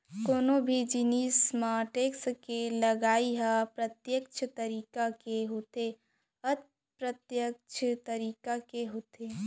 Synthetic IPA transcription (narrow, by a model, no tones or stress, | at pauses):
koːnobʱid͡ʒɪniːsmaːʈeːkskelɐɡaːiɦapɾɐt̪jək̚t͡ʃʰt̪ɐɾiːkakeɦoːt̪e | ət̪̚ | pɾət̪jəkt͡ʃʰət̪əɾiːkakeɦoːt̪eː